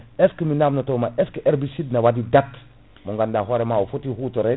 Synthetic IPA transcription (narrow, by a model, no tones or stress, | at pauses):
eskiminamnotomaʔeskiʔeɾbisidnawadidat | muŋɡandaɦoɾemaufutihutoɾe